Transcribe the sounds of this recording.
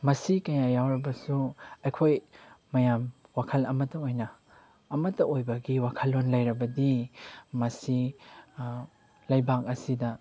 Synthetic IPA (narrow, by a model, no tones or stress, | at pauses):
mɐsikɐjajawɾɐbɐsuɐjkʰojːɐjamwakʰɐlɐmɐtːɐojnɐː | mɐtːɐojbɐɡiwakʰɐlːonlɐjɾɐbɐdimɐsi | lɐjbak̚ɐsidɐ